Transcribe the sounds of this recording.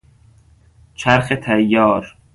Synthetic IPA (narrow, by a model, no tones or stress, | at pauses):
t͡ʃʰæɾxet̪ʰæjːɒːɾ